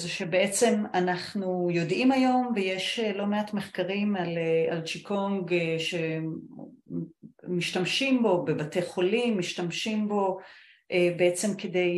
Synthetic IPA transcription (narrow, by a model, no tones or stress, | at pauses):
zeʃebeet͡se̞manaχnujo̞dʔimajo̞mvejeʃlo̞meatme̞χkaʁimalealt͡ʃikʰo̞ŋɡʃe | miʃtamʃimbo̞be̞batejχo̞limːiʃtamʃimbo̞ | ʔebeet͡se̞mkede̞j